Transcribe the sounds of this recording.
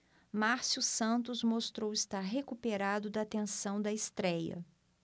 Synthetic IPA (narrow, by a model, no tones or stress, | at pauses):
maɾsjusɐ̃nt̪ʊzmost̪ɾowɪst̪aɾɦekupeɾad̪ʊd̪ɐːt̪ẽsɐ̃w̃d̪ɐɪst̪ɾɛjɐ̰